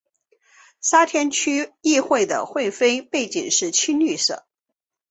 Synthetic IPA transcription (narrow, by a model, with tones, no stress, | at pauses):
sa˥t̪ʰjɛ˥nt͡ɕʰy˥i˥˧xwe˥˩ɪd̪ə̰˩xwe˥˩ɪfe˥ɪpe˥˩ɪt͡ɕi˨˩ŋʂɻ̩˥˩t͡ɕʰi˥nly˥˧ʂɤ̰˨˩˦